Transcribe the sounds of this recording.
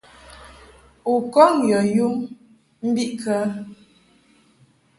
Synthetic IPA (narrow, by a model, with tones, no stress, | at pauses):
u˨kɔ˦ŋjə˨ju˦m | m̩˦bi˦ʔkə˦